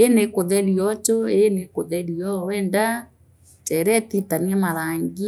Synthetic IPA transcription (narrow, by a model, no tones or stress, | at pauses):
enekoðɛɾiɔt͡ʃoenekoðɛɾiɔwɛnda | t͡ʃɛɾɛtitaniɛmaɾaŋɡi